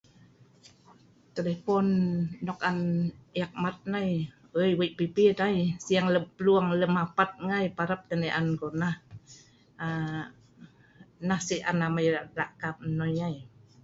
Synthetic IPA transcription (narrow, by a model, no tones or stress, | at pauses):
t̪elefɔnːɔkanjak̚mat̪̚naj | əjwiʔpipidajsiaŋləmpluaŋləmapat̪̚ŋajpaɾap̚t̪ənəʔankonah | a | nahsiʔa̰namajalaʔkap̚nɔjaj